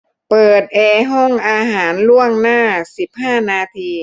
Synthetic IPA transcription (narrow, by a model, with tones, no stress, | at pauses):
pɤː˨˩t̪̚ʔɛː˧ɦɔ˥˩ŋʔaː˧ɦaː˩˦nlu˥˩əŋnaː˥˩si˨˩˦p̚haː˥˩naː˧t̪ʰiː˧